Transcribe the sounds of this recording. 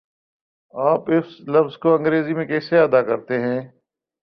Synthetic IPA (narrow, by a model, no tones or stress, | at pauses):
aːpɪfslɐfzkoɐ̃ŋɡɾeːzimẽkɛːseɐd̪akɐɾt̪eɦɛ̃ː